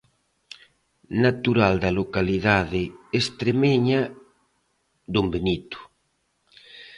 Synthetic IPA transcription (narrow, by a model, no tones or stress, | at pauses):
nat̪uɾald̪ɐlokaliðaðɪest̪ɾemeɲa | d̪umbenit̪ʊ̥